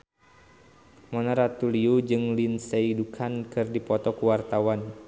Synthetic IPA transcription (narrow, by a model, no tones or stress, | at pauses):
mɔnaɾat̪uliud͡ʒɨŋlinseidukʰankɨrdipɔt̪ɔkuwart̪awan